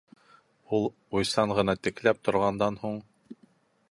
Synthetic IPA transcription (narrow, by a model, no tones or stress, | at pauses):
ulˠ | ujsɑɴʁɤ̆nɑt̪ɘ̆klæp̚t̪ŏɾʁɑnd̪ɑnhuɴ